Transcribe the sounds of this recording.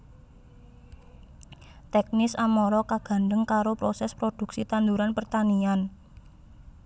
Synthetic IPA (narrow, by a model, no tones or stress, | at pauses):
t̪ɛk̚nɪsamɔɾɔkaɡ̥a̤nɖ̪əŋkaɾopɾosɛspɾod̪̥ṳksit̪and̪uɾanpərt̪anian